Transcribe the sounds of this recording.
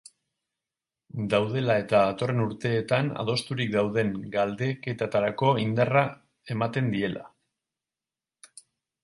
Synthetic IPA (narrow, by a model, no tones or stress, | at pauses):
d̪awð̞e̞lae̞t̪aːt̪o̞re̞nuɾt̪e̞ːt̪ana̰ð̞o̞st̪uɾik̚d̪awðe̞ŋɡald̪e̞ke̞t̪at̪aɾako̞ind̪ara | e̞mat̪e̞nd̪ie̞lʔa̰